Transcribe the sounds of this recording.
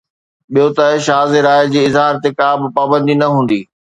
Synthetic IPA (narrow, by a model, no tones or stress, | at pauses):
ɓijot̪ɐɦʃaːzeɾaːɪd͡ʑiːɪzɦaːɾt̪ekaːbɪ̆paːbə̃nd̪inɐɦũːn̆d̪iː